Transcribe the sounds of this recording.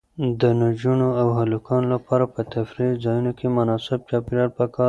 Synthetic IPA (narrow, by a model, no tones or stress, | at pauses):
d̪ənʊd͡ʒunoawɦalukɑnolapɑɾapət̪afɾizɑjunokʰemʊnɑsɪb̚t͡ʃɑpiɾɑɽpəkɑɾ